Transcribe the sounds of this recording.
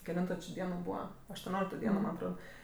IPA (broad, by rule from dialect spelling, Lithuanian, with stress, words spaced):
kʲɛˈlʲɪntoː t͡ʃʲɪ ˈdʲiɛnoː ˈbuːʋɐ ɐʃtuɔˈnʲoːlʲɪktoː ˈdʲiɛnoː mɐnʲ ɐtˈroːt